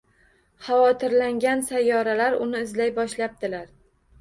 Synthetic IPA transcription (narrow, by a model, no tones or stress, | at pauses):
χɑwɒt̪ʰɪɾlaŋɡʲansajːɒɾalaɾʊnɪɪzlajbɒʃlap̚t̪ɪlaɾ